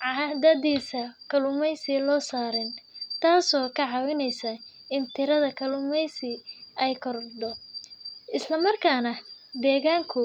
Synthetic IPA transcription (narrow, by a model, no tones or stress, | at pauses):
ʕɑðɐðiːsɐkʰɐlʊmɛjsɪlɔːsaːɾɛnt̪ʰaːsɔːkʰɐʕɑwɪnɛjsɐɪnt̪ʰɪɾɐðɐkʰɐlʊmɛjsɪʔɛjkʰɔrd̪ɔ | ʔɪslɐmɐrkʰaːnɐd̪ɛːɣaːŋkʰʊ